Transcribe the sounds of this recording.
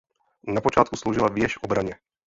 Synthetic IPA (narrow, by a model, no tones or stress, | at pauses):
napot͡ʃaːt̪kuslowʒɪlavjɛʃobɾaɲɛ